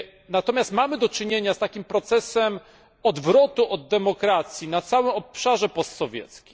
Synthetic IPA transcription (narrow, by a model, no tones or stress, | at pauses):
nat̪ɔmʲjast̪mamɘd̪ɔt͡ʂɘɲeɲast̪akʲimpɾɔt̪sɛsɛm | ɔd̪vɾɔt̪uʔɔd̪̚ːɛmɔkɾat̪sʲjinat̪sawɘmɔpʂaʐɛpɔst̪sɔvʲjɛ̰t̪skʲi̥